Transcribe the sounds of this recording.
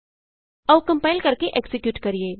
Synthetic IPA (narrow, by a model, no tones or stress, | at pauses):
ɐʋkɐ̃mpaːɪlkɐɾkeʔeksɪkjuːʈkɐɾieː